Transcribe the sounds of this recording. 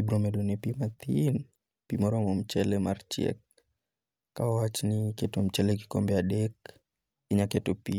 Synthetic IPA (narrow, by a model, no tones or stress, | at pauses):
ibɾɔmɛdunɛpimat̪in | pimɔɾɔmɔm̩t͡ʃɛlɛmaɾt͡ʃɛ̰k̚ː | awat͡ʃnikɛtom̩t͡ʃɛlɛki̥kɔmbɛaɗɛk | iɲakɛtopi